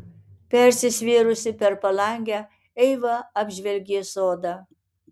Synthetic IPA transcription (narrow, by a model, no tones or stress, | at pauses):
pʲɛɾʲsʲɪsʲʋʲiːɾʊsʲɪpʲɛɾpɐlˠɐˑŋʲɡʲæ | ɛɪʋɐɐbʲʒʲʋʲɛlʲɡʲeːsoːd̪ɑ